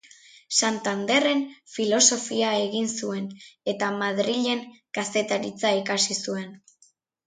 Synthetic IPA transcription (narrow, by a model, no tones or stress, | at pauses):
sant̪and̪e̞re̞nfilo̞so̞fiae̞ɣinsue̞ne̞t̪amaðɾiʎe̞ŋkase̞t̪aɾit͡saikasisue̞n